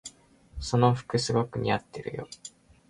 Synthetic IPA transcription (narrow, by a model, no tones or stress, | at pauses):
so̞no̞ɸɯ̟̥kɯ̟sɨɡo̞kɯ̟ɲ̟iat̪ːeɾɯ̟̰jo̞̰